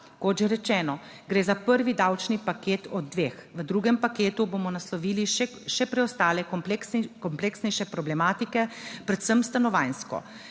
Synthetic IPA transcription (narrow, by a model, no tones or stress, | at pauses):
kot̪ʒɛɾɛt͡ʃɛːnɔ | ɡɾeːzapəɾʋid̪awt͡ʃnipakeːt̪ɔd̪̚ːʋeːxʋəd̪ɾuːɡɛmpakeːt̪uboːmɔnaslɔʋiːliʃ | ʃɛpɾɛɔst̪aːlɛkkɔmpleksnɛjʃɛpɾɔblɛmaːt̪ikɛpɾɛt̪səmst̪anɔʋajnskɔ̰